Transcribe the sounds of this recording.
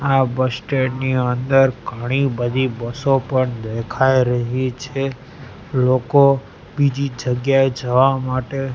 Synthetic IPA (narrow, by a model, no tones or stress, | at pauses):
abəsʈeɖniənd̪əɾɡʱəɽ̃ibəd̪ʱibəsopəɳd̪ekʰajɾəɦit͡ʃʰe | loko | bid͡ʒid͡ʒəɡjaed͡ʒəʋamaʈe